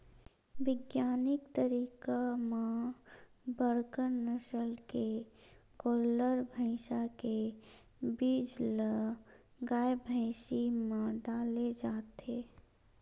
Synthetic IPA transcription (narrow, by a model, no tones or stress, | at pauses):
ʋɪɡjaːnɪkt̪əɾiːkamã | bəɽkəɾnəʃəlkekoːləɾbʱəɪʃake | biːd͡ʒlə | ɡaːjbʱə̃ɪʃimãɖaːled͡ʒaːt̪eː